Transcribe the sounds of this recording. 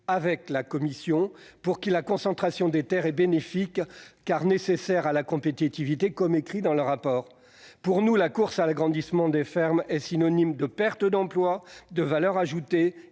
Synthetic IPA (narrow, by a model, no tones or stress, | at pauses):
avɛklakɔmisjɔ̃puʁkʲilakɔ̃sɑ̃t̪χasjɔ̃d̪et̪ɛʁɛbenefikːaʁnesesɛʁalakɔ̃pet̪it̪ivit̪ekɔmekχid̪ɑ̃ləʁapɔːʁ | puʁnulakuʁsalaɡʁɑ̃d̪ismɑ̃d̪efɛʁmɛsinɔnimd̪əpɛʁt̪əd̪ɑ̃plwad̪əvalœʁaʒut̪e